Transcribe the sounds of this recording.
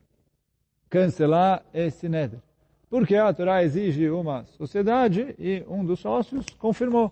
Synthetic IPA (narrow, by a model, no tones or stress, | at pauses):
kɐ̃selaɾesɪnɛd̪eɾ | poɾkeat̪oɾaeziʒɪũmɐsosied̪ad͡ʒɪɪũd̪ʊsːɔsjʊskõfiɾmo